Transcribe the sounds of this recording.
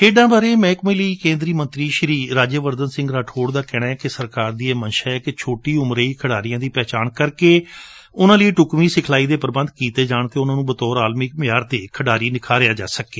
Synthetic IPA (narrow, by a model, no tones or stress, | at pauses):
eːɖãːbaːɾeːmɛ̃ːkmĩːləiːkẽːnd̪ɾiːmənt̪ɾiːʃəɾiːɾaːd͡ʒəʋəɾd̪ənsɪ̃ŋɡɾaːʈʰoːɽd̪aːkɛːɽ̃ãːɛːkɪsəɾkaːɾd̪ieːmənʃaːɛːkɪt͡ʃʰoːʈiːʊmɾeːiːkʰəɽaːɾɪjãːd̪iːpɛːt͡ʃaːnkəɾkeː | ʊnãːləiːʈʊkmiːsɪkʰlaːiːd̪eːpəɾbə̃nd̪kiːt̪eːd͡ʒaːɳt̪eːʊnãːnũːbət̪ɔːɾaːlmɪk̚mɪjaːɾt̪eːkʰəɖaːɾiːnɪkʰaːɾejaːd͡ʒa̰ːsəkːeː